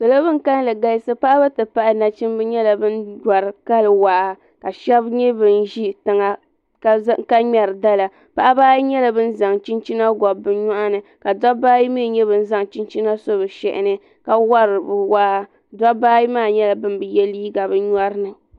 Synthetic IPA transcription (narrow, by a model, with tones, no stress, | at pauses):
sɨ˨lo˦bɨ˦ŋ˨ka˦n˦lɨ˨ɡa˦jsɨ˦pa˦ʔa˦bɨ˦tɨ˨pa˦ʔa˨na˨t͡ʃi˦m˦bɨ˦ɲɛ˦la˨bɨ˦nda˨ɾɨ˨ka˦lɨ˨waː˨ʔa˨ | ka˨ʃɛ˦bɲɛ˦bɨ˨n˦ʒi˦tɨ˨ŋa˨ | kka˦ɲɛ˨ɾɨ˨da˦la˨ | pa˦ʔa˦baː˦ji˦ɲɛ˦la˨bɨ˦n̩˦za˨ŋt͡ʃi˦nt͡ʃi˦na˦ɡɔ˨bːɨ˨ɲɔ˦ʔa˦nɨ˨ka˨da˦baː˦ji˦mi˦˨ɲɛ˦bɨ˨n̩˦za˦ŋ˨t͡ʃi˦nt͡ʃi˦na˦so˦βɨ˨ʃɛ̰˨ʔɪ̰˨nɨ˦ | ka˦wa˦ɾɨ˨bɨ˨waː˦ʔa˦ | da˦baː˦ji˦maː˦˨ɲɛ˦la˨bɨ˦nbɨ˨jɛ˦liː˦ɡa˨bɨ˦ɲ˦a˦ɾɨ˦nɨ˨